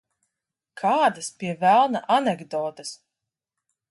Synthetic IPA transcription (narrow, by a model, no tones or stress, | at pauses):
kʰaːd̪aspʲiɛvælˠna̰ʔanɛɡd̪ɔːt̪ɨs